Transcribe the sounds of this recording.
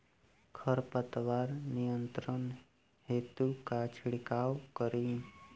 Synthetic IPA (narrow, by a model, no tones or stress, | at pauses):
kʰəɾpət̪ʋaːɾnijənt̪ɾən | ɦeːt̪ukat͡ʃʰiɽikaːwkəɾiː